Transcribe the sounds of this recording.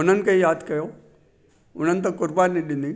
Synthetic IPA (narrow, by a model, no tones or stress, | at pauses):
ʊnənkɐɦijaːd̪kɐjoː | ʊn̤ənt̪̬ɐkʊɾbaːɾniɗind̪i